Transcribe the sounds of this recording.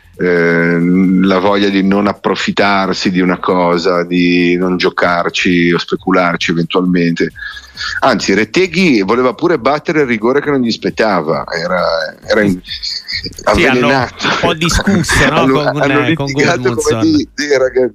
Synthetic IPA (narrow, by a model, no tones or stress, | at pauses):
lavɔʎːad̪inonapːɾofit̪ːarsid̪iunakʰɔːzad̪inond͡ʒokart͡ʃiospekulart͡ʃievent̪ualment̪e | ant̪siɾet̪eːɡivoleːvapuːɾebat̪ːeɾeiriɡoːɾek̟enõnʎispet̪ːaːva̰ɛːɾaɛːɾai | avːelenaːt̪od̪kusanːoanːolit̪iɡaːt̪okomed̪id̪eɾaɡa